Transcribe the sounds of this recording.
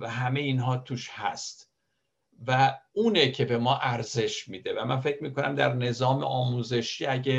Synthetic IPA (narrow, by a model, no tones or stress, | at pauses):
væɦæmejiːnɦɒːt̪ʰuːʃhæ̰st̪ | væuːnecʰe̞be̞mɒːʔæɾze̞ʃmiːd̪evæmænfe̞cʰmiːkʰo̞næ̰md̪æɾne̞zɒːmḛʔɒːmuːze̞ʃiːæɟe